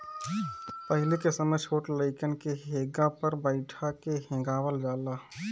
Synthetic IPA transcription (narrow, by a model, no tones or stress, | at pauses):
pəɦɪlekesəməjʃʰoːʈləɪkənkeɦeːɡapəɾbəɪʈʰakeɦẽːɡaːwəld͡ʒaːlaː